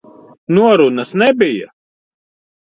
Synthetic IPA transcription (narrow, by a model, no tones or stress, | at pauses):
nuɔɾunɐsnɛbija̰